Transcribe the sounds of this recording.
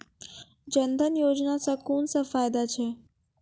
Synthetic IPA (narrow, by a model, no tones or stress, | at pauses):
d͡ʒənd̪ʱənjod͡ʒnasəkuːnsə̃faːjd̪at͡ʃʰe